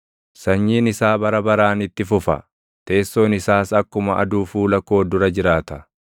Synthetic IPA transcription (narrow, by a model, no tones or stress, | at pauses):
sɐɲːiːnɪsaːbɐɾɐbɐɾaːnɪt̪ːɪfʊfɐ̰ | t̪e̞ːsːo̞ːnɪsaːsɐkːʊmɐʔɐ̰d̪uːfuːlɐkːo̞ːd̪ʊɾɐd͡ʒɪɾaːt̪ɐ̥